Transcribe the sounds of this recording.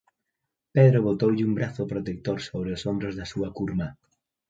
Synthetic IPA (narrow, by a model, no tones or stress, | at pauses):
peðɾoβot̪owʎɪumbɾaθopɾot̪ek̚t̪oɾsoβ̞ɾɪosombɾozðɐsuɐkuɾmɐ